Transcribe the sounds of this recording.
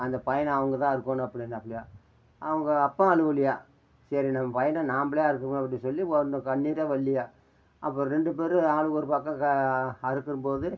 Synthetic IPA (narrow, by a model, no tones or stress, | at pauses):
ɐnd̪ɐpɐjɐnɐʋɐŋɡɐt̪ãːɪɾɯkːõːnɐpːɐɽɪnːɐpːɐɽɪjaː | ɐʋɐŋɡɐːpːɐ̃ɐɻɯʋɐlɪjaː | sɐɾinɐmːɐpɐjɐnɐnaːmbɐɭjaːɪɾɯkːɯɾɯmɐpːɐɽĩsɔlːiʋɔnɯkɐɳːiːɾɐʋɐɭːɪjaː | ʔɐpːoɾɛɳɖɯp̬eːɾɯaːɭɯɣɔɾɯpɐkːɐ̃kɐɾɯkːɯɾɯmpoːðɯ